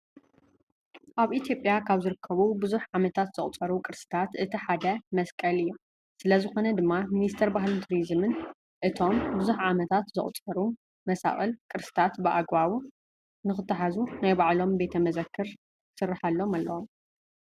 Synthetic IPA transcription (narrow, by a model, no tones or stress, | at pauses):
ʔaβit̪ʰjo̞pʼjakʰaβzɨɾɨkʰːɐβubɨzuħʕamɐt̪ʰat̪z̥ɨχʼt͡sʼɐɾukʼɨɾsɨ̥t̪ʰat̪ʔɨt̪ʰiħad̪ɐmɐskʼɐlɨjːu | sɨlɐzɨxo̞nɐd̪ɨmːaminist̪ʰɐɾbaɦlɨnt̪ʰuɾizmɨn | ʔɨt̪ʰo̞mbɨzuħʕamɐt̪ʰat̪zɨ̰χʼt͡sʼɐɾu | mɐsa̰χʼɨlkʼɨɾsɨ̥t̪ʰat̪bɨʔaɡβawu | nɨxɨt̪ʰːɐħazunajbaʕlo̞mbe̞t̪ʰɐmɐzɐkʰːɨɾ | sɨrːɨħalːomalːɐwom